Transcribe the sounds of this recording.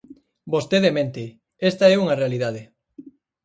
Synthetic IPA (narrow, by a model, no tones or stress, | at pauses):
bost̪eðemẽnt̪ɪ | est̪ɐɛuŋɐrealiðaðe